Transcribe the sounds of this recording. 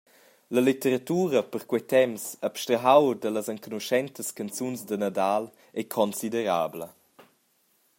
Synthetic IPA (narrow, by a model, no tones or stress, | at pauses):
ləlit̪əɾat̪uːɾəpəɾkwɛt̪ɛmsapʃtɾəɦawdələzəŋkunuʃɛnt̪əskant͡sunzd̪ənad̪al | ɛkʰɔnsidəɾaːblə